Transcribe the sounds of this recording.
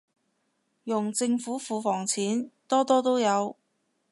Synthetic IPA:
jʊ˨˩ŋt͡sɪ˧ŋfuː˨˥fuː˨˧fɔː˨˩ŋt͡sʰiː˨˥nt̪ɔː˥t̪ɔː˥t̪o˥wjɐ˨˧w

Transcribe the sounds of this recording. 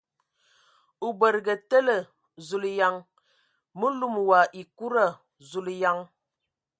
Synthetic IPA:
u˨bə˨ɾɡə˨tə˦lə˨ | zu˨lja˨ŋ | mu˦lu˦˨m˨wa˨ʔi˨ku˦ɾa˦˨ | zu˨lja˨ŋ

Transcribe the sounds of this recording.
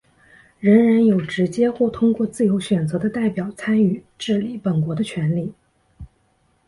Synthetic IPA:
ɻə˧˥ŋɻa˧˥njo˨˩ʊʈ͡ʂɻ̩˧˥t͡ɕjɛ˥xwɔ˥˩t̪ʰʊ˥ŋkwɔ˥˧t͡sɹ̩˥˩jo˧˥ʊɕɥɛ˨˩nt͡sɤ˧˥d̪ə˧t̪a˥˩ɪpjɑ˨˩ʊt͡sʰa˥ny˥˨˩ʈ͡ʂɻ̩˥˩li˨˩pə˨˩nkwɔ˧˥d̪ə˧t͡ɕʰɥɛ˧˥nli˥˩

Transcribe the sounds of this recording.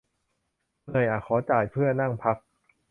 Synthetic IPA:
nɤ˧˩jʔaː˨˩kʰɔː˩˦t͡ɕaː˨˩jpʰɯ˥˩ɐna˥˩ŋpʰa˦˥k̚

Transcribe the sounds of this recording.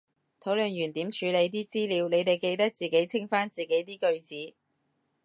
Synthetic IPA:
t̪ʰo˨˥wlɵ˨njyː˨˩nt̪iː˨˥mt͡ʃʰyː˨˧le˨˧jt̪̬iː˥t͡siː˥liː˨˧wne˨˧jt̪e˨˩jke˧jt̪ɐ˥k̚t͡siː˨˩ke˨˥jt͡sʰɪ˥ŋfaː˥nt͡siː˨˩ke˨˥jt̪iː˥kɵ˧ɥt͡siː˨˥

